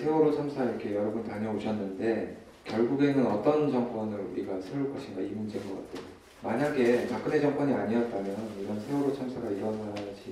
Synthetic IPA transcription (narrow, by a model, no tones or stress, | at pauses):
sʰe̞oɾot͡ɕʰamsʰaiɾʌkʰe̞jʌɾʌbuntaɲʌoɕʰʌnːɯnde̞ | kjʌɭɡuɡe̞nɯnʌt͈ʌnt͡ɕʌŋk͈ʌnɯɭṵɾiɡasʰɯɯɭk͈ʌɕʰindaimund͡ʑe̞ŋɡʌk͈a̰tʰeo | maɲaɡe̞pak͈̚ɯne̞d͡ʑʌŋk͈ʌɲiaɲiʌt̚t͈amjʌniɾʌnsʰe̞oɾot͡ɕʰamsʰaɡaiɾʌnad͡ʑi